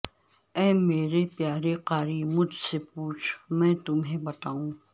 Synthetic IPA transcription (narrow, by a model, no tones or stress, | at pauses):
ɛ̃ːmeːɾepjaːɾeqaːɾimʊd͡ʒʱsepuːt͡ʃʰmɛ̃ːt̪ʊmɦẽbɐt̪aːũː